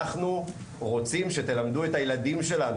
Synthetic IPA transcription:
aχnu | ʁo̞t͡simʃe̞t̪e̞lamd̪ue̞tajeladimʃe̞lan

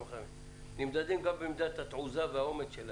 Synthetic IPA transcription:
χamim | nimd̪ad̪imɡambemid̪at̪hat̪ʕuzaveao̞medʃel

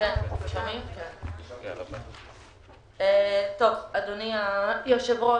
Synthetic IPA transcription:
kenʃomimken | et̪ovad̪oniajoʃevo

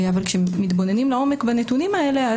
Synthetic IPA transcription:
avalkʃeːit̪bo̞ne̞nimlao̞me̞kbanet̪unimae̞le̞a

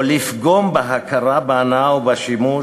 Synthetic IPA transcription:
lifɡɔmbaɦakʰaɾabanawbaʃimu

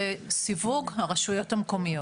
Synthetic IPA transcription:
esivuɡhaʁɐʃujo̞thamko̞mijo

